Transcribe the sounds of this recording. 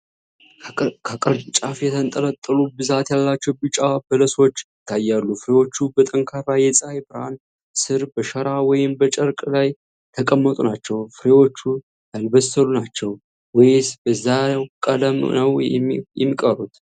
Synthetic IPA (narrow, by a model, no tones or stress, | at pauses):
kʰəkʼəɾt͡ʃʼafjɛt̪ʰənt̪ʼələt̪ʼːəlubɨzat̪jalːat͡ʃːɛwbɨt͡ʃʼabələso̞t͡ʃːɨt̪ʰːajːalːufɨɾewo̞t͡ʃːubət̪ʼəŋkʰaɾajɛsʼajbɨɾhan | sɨɾbəʃəɾawɔjɪmbət͡ʃʼəɾkʼlaj | t̪ʰəkʼəmːət̪ʼunat͡ʃːɛwfɨɾewo̞t͡ʃːu | jalbəsəlunat͡ʃːɛw | wɔjsbəzːakʼələmnəwjɛ̰mːikʼəɾut̪